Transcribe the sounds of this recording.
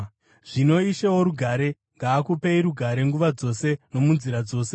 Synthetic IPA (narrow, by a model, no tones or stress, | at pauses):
ʐ̥ino̞iʃewo̞ɾuɡʱaɾe̞ | ŋɡaːkupe̞iɾuɡʱaɾe̞ŋɡuʋad͡zo̞se̞no̞munziɾad͡zo̞ːse